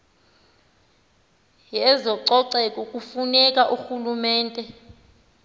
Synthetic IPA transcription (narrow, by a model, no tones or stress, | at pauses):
jɛzɔǀɔǀɛkʼɔkʼufunɛkʼaʔuxulumɛːntʼɛ